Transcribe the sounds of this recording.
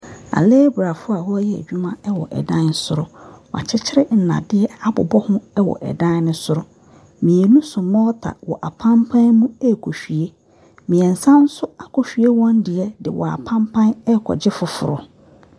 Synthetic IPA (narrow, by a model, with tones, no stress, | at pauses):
a̰˨leː˦bɾa˨fʊ˦a˨hɔ˦ɔ˦jɛ˦æ̰˨d͡ʑᶣu˦mã˦ɛ˦wɔ̰˨ʔɛ̰˨dã˦n˦sʊ˦ɾʊ˦wa̰˨t͡ɕʰɛ˦t͡ɕʰɪ˦ɾɪ˦n̩˨nã̰˨dɪ˦ɛ˦a˨bɔ̰˨bɔ˦hʊ̃˦ɛ˦wɔ̰˨ʔɛ̰˨dã˦n˦nʊ̃˦sʊ˦ɾʊ˦ | mĩ˨ɛ˨nũ˦sʊ̃˨mɔ̃ː˦tʰa̰˨wɔ̰˨ʔa˨pʰã˦mpʰã˦nmũ˦ɛ˦˨kʰo˨ɕᶣi˨e˦ | mĩ˨ɛ˨n̩˨sã˦n̩˦sʊ˦a˨kʰɔ˨ɕᶣi˨e˦wɔ̃˦ndɪ˨ɛ˦dɪ̰˨wʔɔ̰˨a̰˨pʰã˦mpʰã˦nɛ˦kʰɔ̰˨d͡ʑɪ˦fʊ˦fʊ̰˨ɾʊ˨